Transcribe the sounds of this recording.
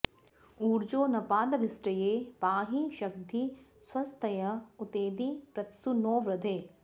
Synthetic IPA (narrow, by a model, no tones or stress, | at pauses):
uːɾd͡ʒoːnɐpaːd̪ɐʋɪsʈɐjeːpaːɦiʃɐkd̪ʱi | swɐst̪ʰɐjɐut̪eːd̪ipɾɐt̪sunoːʋɾɐd̪ʱeː